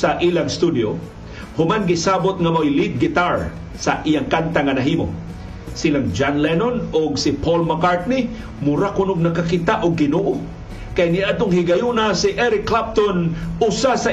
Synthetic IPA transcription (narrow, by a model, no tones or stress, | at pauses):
aʔilaŋst̪ud̪jo̰ | hʊmanɡɪsabʊt̪̚ŋɐmojlid̪̚ɡɪt̪aɹ | sɐʔijaŋkant̪aŋɐnaɦiːmo̰ | silaŋd͡ʒanlɛnonʊɡsipolmakaɹt̪̚ni | mʊɾakʊnʊɡ̚nakakit̪aʔʊɡ̚ːɪnoʔo | kajnɪʔad̪oŋhɪɡajunasiʔɛɾɪkːlap̚t̪onʊsasa